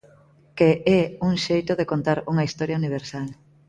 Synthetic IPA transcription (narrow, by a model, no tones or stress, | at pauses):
keɛuŋʃejt̪oðekont̪aɾuŋɐist̪ɔɾjauniβ̞eɾsal